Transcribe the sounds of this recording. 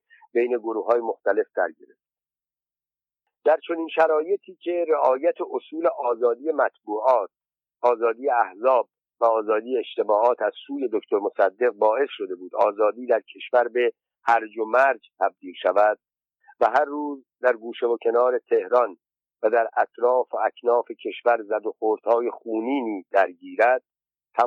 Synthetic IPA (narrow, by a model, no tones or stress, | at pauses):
be̞jne̞ɡoɾuːhɒːje̞mo̞xt̪æle̞fd̪̥æɾɟe̞ɾeft̪ | d̪̥æɾt͡ʃʰo̞niːnʃæɾɒːje̞t̪ʰiːcʰe̞ɾeʔɒːjæt̪ʰeʔosuːleʔɒːzɒːd̪iːje̞mæt̪ʰbuːɒːt̪̚ | ʔɒːzɒːd̪iːjeæhzɒːb̚ | væɒːzɒːd̪iːjeːʃt̪e̞bɒːʔɒːt̪ʰæz̥suːje̞d̪okt̪ʰo̞ɾmo̞sæd̪ːe̞ɣ̚bɒːe̞sʃo̞d̪e̞buːd̪ɒːzɒːd̪iːd̪æɾcʰe̞ʃvæɾbe̞ | hæɾd͡ʒomæɾd͡ʒt̪ʰæb̚d̪iːlʃævæd̪̥̚ | væɦæɾːuːz | d̪æɾɡuːʃevocʰe̞nɒːɾe̞t̪ʰe̞hɾɒn | væd̪æɾæt̪ʰɾɒːfoæcʰnɒːfe̞cʰe̞ʃvæɾzæd̪o̞xoːɾd̪̥hɒːje̞xuːniːniːd̪̥æɾɟiːɾæd̪̥̚ | t̪ʰːæ